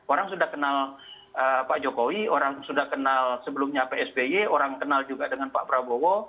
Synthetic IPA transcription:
oɾaŋsudahkənal | ʔəpaʔd͡ʒokowioɾaŋsudahkənalsəbəlʊmɲapeɛsbejeoɾaŋkənald͡ʒuɡadəŋanpa̰ʔpɾabowo

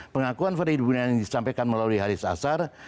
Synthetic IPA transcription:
pəŋakuanfəɾidubunandisampakanməlaluiɦaɾisa̰sar

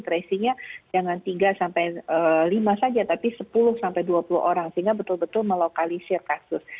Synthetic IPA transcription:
t̪ɾesiɲad͡ʒaŋant̪iɡasampajəlimasad͡ʒat̪apisəpulʊhsampajduapulʊ̰ʔoɾaŋsəɦiŋɡabət̪ʊlbət̪ʊlməlokalisɪrkasʊs

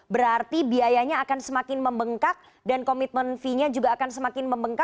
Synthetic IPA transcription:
bəɾart̪ibiajaɲaːkansəmakɪnməmbəŋkak̚ | dankomɪt̪̚mənfiɲad͡ʒuɡaːkansəmakɪnməmbəŋka

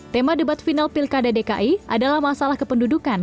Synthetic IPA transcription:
t̪emadəbat̪finalpilkadadeka̰ʔia̰dalahmasalahkəpəndudukan

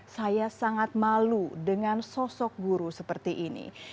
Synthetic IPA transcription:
sajasaŋat̪̚maludəŋansɔsɔk̚ɡuɾusəpərt̪iʔinḭ

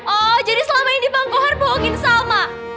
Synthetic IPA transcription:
ɔd͡ʒadisəlamaindipaŋkɔɦarboɦɔŋɪnsalma

